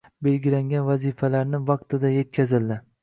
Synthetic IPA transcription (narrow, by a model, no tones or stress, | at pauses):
be̞lɡʲɪlaŋɡʲanvazifalaɾnɪvɑq̚t̪ʰɪd̪aje̞t̪̚kʲʰazɪld̪ɪ